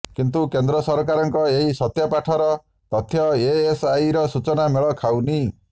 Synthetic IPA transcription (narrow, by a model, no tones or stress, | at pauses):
kint̪ukend̪ɾɔsɔɾkaɾɔŋkɔeɦisɔt̪japaʈʰɔɾɔ | t̪ɔt̪ʰjɔeesajɾɔsut͡ʃɔnameɭɔkʰawni